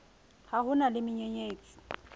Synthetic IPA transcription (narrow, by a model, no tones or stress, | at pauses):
hahʊnalɪmɪɲeɲeːt͡sʼi̥